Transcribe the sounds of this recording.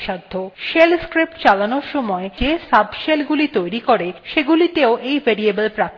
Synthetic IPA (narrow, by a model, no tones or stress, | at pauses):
ʃad̪ʱːoʃelskɾip̚ʈt͡ɕalanoɾʃɔmɔed͡ʑesabʱʃelɡulit̪ojɾikoɾeʃeɡulit̪eoʔejbʱeɾiebəlpɾak̪̚